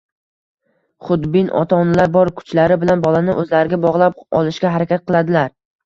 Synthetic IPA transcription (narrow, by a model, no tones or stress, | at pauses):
χʊd̪bɪnʔɒ̰t̪ʰɒnɪlaɾbɒɾkʰʊ̥t͡ʃlaɾɪbɪlanbɒlˠanɪʔɵzlaɾɪɡʲabɒʁlˠap̚ɒ̰lˠɪʃkʲaɦaɾakʲat̪̚qʰɨlˠad̪ɪlaɾ